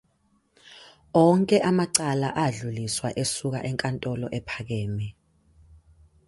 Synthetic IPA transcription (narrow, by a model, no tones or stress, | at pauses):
ɔŋkʼɛʔamaǀalaʔaɮuliswaʔesuk̬a̰ʔɛŋkʼantʼɔlɔ̰ʔɛpʰak̬eːmɛ